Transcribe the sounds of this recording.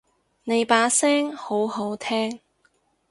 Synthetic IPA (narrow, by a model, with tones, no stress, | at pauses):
ne˨˧jpaː˨˥sɛː˥ŋho˨˥who˨˥wt̪ʰɛː˥ŋ